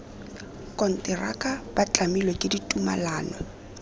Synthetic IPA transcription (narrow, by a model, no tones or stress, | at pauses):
kʼɔn̩tʼɪra̰kʼab̥at͡ɬʼamilwekʼɪditʼuma̰laːnɔ